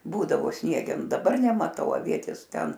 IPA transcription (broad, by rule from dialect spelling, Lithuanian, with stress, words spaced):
ˈbuːdɐʋoː ˈsʲnʲiɛɡʲɛnʊ dɐˈbɐr nʲɛmɐˈtɐʊ ɐˈʋʲiɛtʲeːs ˈtʲɛn